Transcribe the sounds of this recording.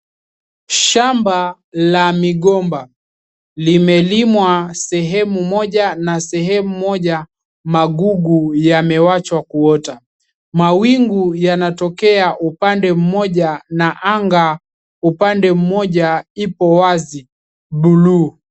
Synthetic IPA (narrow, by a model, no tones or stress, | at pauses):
ʃamba | lamiɠɔmba | limɛlimwasɛɦɛmumɔʄanasɛɦɛmumɔʄa | maɠuɡujamɛwat͡ʃwakuɔta | mawiŋɡujanatɔkɛaʔupandɛm̩mɔʄanaʔaŋɡa | upandɛm̩mɔʄaipɔwazi | ɓulu